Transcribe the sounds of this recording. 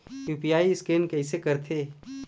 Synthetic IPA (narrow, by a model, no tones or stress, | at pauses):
juːpijaːiɪskeːnkɛɪsekɐɾt̪ʰeː